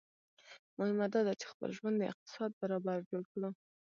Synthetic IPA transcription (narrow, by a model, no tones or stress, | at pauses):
mʊhɪmad̪ɑd̪at͡ʃe̥xpə̰lʒwand̪d̪əɪ̰q̚t̪ɪ̥sɑd̪̚baɾɑbaɾd͡ʒolkɽə